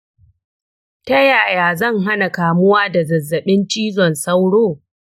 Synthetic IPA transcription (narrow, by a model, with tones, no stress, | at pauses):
tɐ˦jaː˨jaː˨zɐ˦˨ŋɦa˦na˨kaː˨mʊ˦waː˦da˨zɐ˨zːɐ˨ɓɪ˦nt͡ʃiː˦zɔ˨nsɐ˦wɽoː˦˨